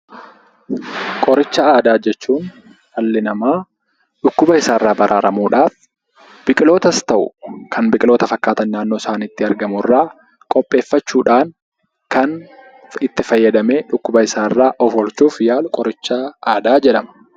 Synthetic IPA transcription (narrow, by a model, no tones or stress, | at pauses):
kʼɔɾɪt͡ʃːɐaːd̪aːd͡ʒɛt͡ʃːuːn | hɐlːɪnɐmaː | ᶑʊkːʊbɐɪsaːrːaːbɐɾʔaːɾʔɐmuːᶑaːf | b̥ɪkʼɪlo̞ːt̪ɐst̪ɐʔʊ̰kʰɐnbɪkʼɪlo̞ːt̪ɐfɐkːaːt̪ɐnːaːnːo̞ːsaːnɪt̪ːɪɐɾɡɐmʊrːaː | kʼɔpʼːe̞ːfːɐt͡ʃːuːᶑaːn | kɐn | ɪt̪ːɪfɐjːɐd̪ɐme̞ːᶑʊkːʊbɐɪsaːrːaːʔɔfɔlt͡ʃuːfjaːlʊkʼɔɾɪt͡ʃːɐaːd̪aːd͡ʒɛᶑɐmɐ̥